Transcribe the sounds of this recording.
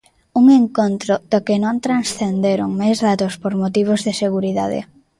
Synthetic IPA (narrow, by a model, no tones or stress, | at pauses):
uŋeŋkont̪ɾʊð̥okɪnõnt̪ɾansθend̪eɾʊŋmajzðat̪ospoɾmot̪iβ̞ozðɪseɣuɾiða̰ðḛ